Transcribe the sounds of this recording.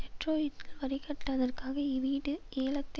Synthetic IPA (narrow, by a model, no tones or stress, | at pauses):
tɛʈroːjɪʈːɪlʋɐɾɪkɐʈːɐðɐrkaːɣɐiʋiːɽɯeːlɐt̪ː